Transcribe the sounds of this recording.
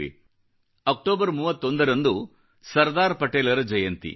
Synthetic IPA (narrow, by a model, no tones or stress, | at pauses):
ḭ | ɐk̚ʈoːbɐɾmuːʋɐt̪ːo̞nd̪ɐɾɐnd̪u | sɐɾd̪aːɾpɐʈeːlɐɾɐd͡ʒɐjɐnt̪ḭ